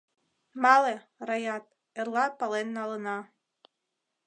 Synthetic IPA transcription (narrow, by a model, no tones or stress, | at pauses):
mɑle | rɑjɑt̪̚ | erlɑpɑlenːɑlə̆nɑ